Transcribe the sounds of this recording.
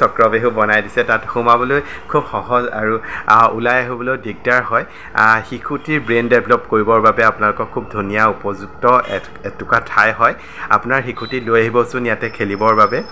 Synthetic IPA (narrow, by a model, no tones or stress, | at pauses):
sɔkɹɔbeɦubɔnajdisɛtatxumabɔlojkʰubxɔɦɔza̰ɹuṵlajaɦobɔlojdiɡ̚daɹɦɔj | xikʰutiɹbɹendɛblɔpkoɹibɔɹbabɛapʊnalʊkɔkʰːub̚dʱunijaupɔzuktɔɛ | tʊkatʰajɦɔj | a̰pʊnaɹxikʰutilojaɦibɔsʊ̃njatɛkʰelibɔɹbabɛ